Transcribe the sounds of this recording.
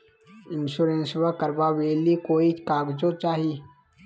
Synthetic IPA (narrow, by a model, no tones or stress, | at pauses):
ɪnʃuɾẽnsbəkəɾbaweːlikoːikaːɡd͡ʒot͡ʃaːɦi